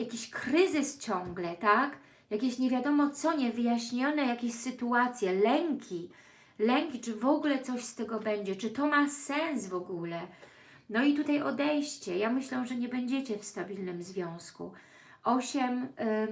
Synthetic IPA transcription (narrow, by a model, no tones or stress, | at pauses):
jakʲiɕkɾɘzɘst͡ɕɔŋɡlɛt̪ak | jakʲeɕɲɛvʲjad̪ɔmɔt̪sɔɲɛvɘjaɕɲɔnɛjakʲeɕsɘt̪uat̪sʲjɛlɛŋkʲʰi | lɛŋkʲit͡ʂɘvɔɡulɛt̪sɔɕst̪ɛɡɔbɛɲd͡ʑɛt͡ʂɘt̪ɔmasɛ̃ñsvɔɡulɛ | nɔit̪ut̪ajɔd̪ɛjɕt͡ɕɛjamɘɕlɛʐɛɲɛbɛɲd͡ʑɛt͡ɕɛfst̪abʲilnɘmzvʲjɔ̃w̃skṵ | ɔɕɛm